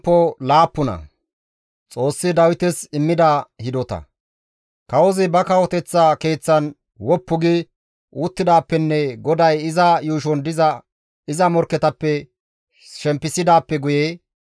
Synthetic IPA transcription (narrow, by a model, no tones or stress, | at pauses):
pːɔlaːpːʊnɐ̰ | t͡sʼo̞ːsːɪd̪ɐwɪt̪ɛsɪmːɪd̪ahɪd̪ɔt̪ɐ̰ | kɐwɔzɪbɐkɐwɔt̪ɛt͡sːake̞ːt͡sːɐn | wɔpːʊɡɪ | ʔuːt̪ːɪd̪aːpːɛnːɛɡɔd̪ɐjɪzɐjuːʃɔnd̪ɪzɐ | ɪzɐmɔɾkɛt̪ɐpːɛ | ʃɛmpːɪsɪd̪aːpːɛɡʊjeː